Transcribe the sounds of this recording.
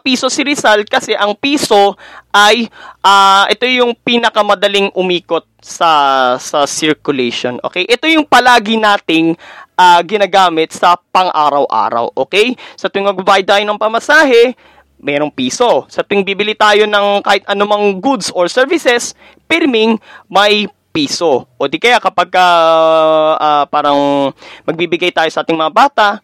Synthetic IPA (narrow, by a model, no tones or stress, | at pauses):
piːsosɪɾɪsalt̪̚kɐsɛʔɐŋpiːso̞ʔɐjʔaːʔɛt̪o̞jʊŋpiːnɐkɐmɐd̪ɐliŋʔʊmiːko̞t̪̚sɐsɐsɪɹkʊlɛʃo̰nʔo̰ːkɛjʔɛt̪o̞jʊŋpɐlaːɡɪnaːt̪ɪŋʔaɡɪnaɡaːmɪt̪̚sɐpɐŋʔaːɾɐwʔa̰ːɾɐ̰wʔoːkɛjsɐt̪ʊɪŋmɐɡ̚babaːjɪd̪̚t̪aːjo̞nɐŋpɐmɐsaːɦɛ | mɛɾo̞ŋpiːso̞sɐt̪ʊɪŋbiːbɪlit̪aːjo̞nɐŋkaːhɪt̪ʔɐnomɐŋɡud̪soɹsɛɹvɪsɛs | pɪɾmɪŋmɐj | piːsoʔoːd̪ikɐjakɐpɐɡ̚kɐ | apaːɾɐŋmɐɡ̚bibɪɡajt̪aːjo̞sɐʔaːt̪ɪŋmɐŋɐbaːt̪ɐʔ